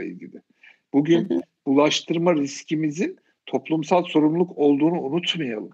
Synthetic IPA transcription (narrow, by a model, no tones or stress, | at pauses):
ḭlʲɟʲḭlʲɪ | b̥uɟynbulˠaʃt̪ʰɯɾmaɾiscʰimizin | t̪ʰo̞plˠumsalˠso̞ɾumlˠukʰo̞lˠd̪uːnuːnut̪majalˠɯm